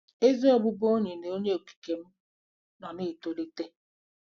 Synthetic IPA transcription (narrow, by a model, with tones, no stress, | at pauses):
e˦zi˦ɔ˦˨bʊ˦bo˦ɲe˨ne˨o˦ɲe˦o˨ki̥˨ke˨m̩˦ | nɔ˨ni˦˨to˨li˦te˦